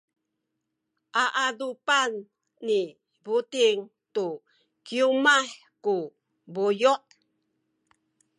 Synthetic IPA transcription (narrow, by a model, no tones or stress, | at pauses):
ʔaʔadupanː | i | butiŋ | t̪u | kiumah | ku | bujɔʔ